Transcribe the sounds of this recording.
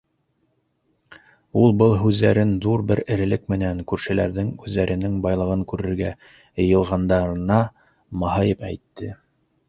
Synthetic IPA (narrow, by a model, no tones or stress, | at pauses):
ulˠbɤlˠɦʉðːæɾɘnðuɾbɘɾɘ̆ɾɘ̆lɘkmɘ̆næŋkʉɾʃɘ̆læɾðɘŋʉðːæɾʔɘ̆nɘŋbɑjlˠɤ̆ʁɤŋkʉɾɘ̆ɾɡæ | jɤ̆jɤ̆lˠʁɑnd̪ɑɾɤ̆nɑ | mɑɦɑjɤpæ̰jt̪ːɘ